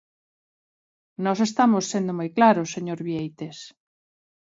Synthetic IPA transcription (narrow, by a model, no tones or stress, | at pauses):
nɔsest̪amosːend̪omojklaɾoseɲoɾβiejt̪es